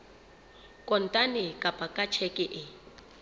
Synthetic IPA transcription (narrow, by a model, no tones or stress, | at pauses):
kʼɔn̩tʼanɪkʼapʼakʼat͡ʃʰɛkʼɪʔɪ